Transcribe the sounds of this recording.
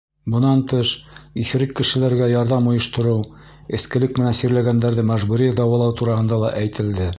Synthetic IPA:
bɤ̆nɑnt̪ɤʃiθɘ̆ɾɘkːɘ̆ʃɘ̆læɾɡæjɑɾðɑmŏjɤ̆ʃt̪ŏɾɤw | ɘ̆skɘ̆lɘk̚mɘ̆nænsiɾlæɡænd̪æɾðɘmæʒbuɾid̪ɑwɑlˠɑwt̪uɾɑhɤ̆nd̪ɑlˠɑʔæjt̪ɘ̆ld̪ɘ

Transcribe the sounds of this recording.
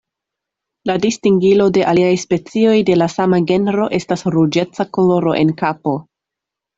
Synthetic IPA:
ladistiŋɡilo̞de̞ʔaliajspe̞t͡sio̞jde̞lasamaɡe̞nɾo̞ʔe̞stasɾud͡ʒe̞t͡sako̞lo̞ɾo̞̰ʔe̞nkapo̞

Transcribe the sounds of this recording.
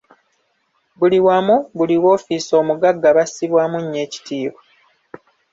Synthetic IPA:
buliwamuβuliwo̞ːfiso̞ːmuɡaɡːaβasiβwaːmuɲːe̞ːci̥tiːβwa

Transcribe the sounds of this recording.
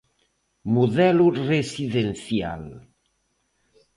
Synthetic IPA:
muðɛluresiðensja̰l

